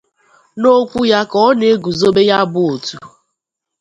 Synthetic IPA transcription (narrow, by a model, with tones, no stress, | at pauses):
no˦kʷu˦ja˦kɔ˦ne˦ɡu˨zo˦be˦ja˦bʊ˦o˨tu˨